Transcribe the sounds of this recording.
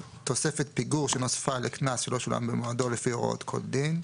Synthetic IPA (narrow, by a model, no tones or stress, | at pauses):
t̪o̞sefet̪piɡuʁʃeno̞sfaleknasʃelo̞ʃula̰mbemoado̞lefioʁ̰o̰t̪kʰo̞̰ld̪in